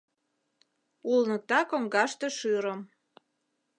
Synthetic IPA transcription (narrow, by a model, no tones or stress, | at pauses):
ulnə̆k̚t̪ɑkoŋɡɑʃt̪ĕʃyɾə̆m